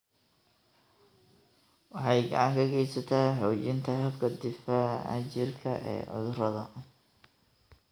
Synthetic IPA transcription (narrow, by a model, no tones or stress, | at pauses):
wɑħɑjɡɑ̰ʕɑŋkʰɐɡɛjsɐt̪ʰaħɔːt͡ʃɪnt̪ʰɐɦɐbkʰɐd̪ɪfɐɐ̰t͡ʃɪrkʰɐ̰ʔɛ̰ːʕʊ̰ðʊrɐðɐ